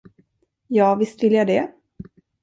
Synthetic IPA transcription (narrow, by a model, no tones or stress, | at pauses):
jɑːvɪst̪vɪljad̪ɛ